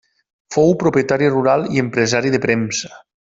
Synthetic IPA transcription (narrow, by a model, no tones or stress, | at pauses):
fowpɾopjət̪aɾiruɾalˠiəmpɾəzaɾiðəpɾɛmsə̥